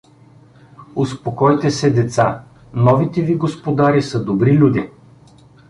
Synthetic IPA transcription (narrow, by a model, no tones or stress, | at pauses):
ʊspokɔjt̪ɛsɛd̪ɛt̪sa | nɔvit̪ɛviɡospod̪aɾisəd̪obɾilʲud̪ʲi